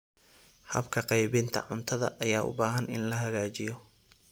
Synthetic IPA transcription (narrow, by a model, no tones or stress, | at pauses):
hɐ̰bkʰɐqɑjβɪnt̪ʰɐ̰ʕʊnt̪ʰɐðɐ̰ʔɐjaːʔʊ̰baːɦɐnɪnlɐɦɐɣaːt͡ʃɪjɔ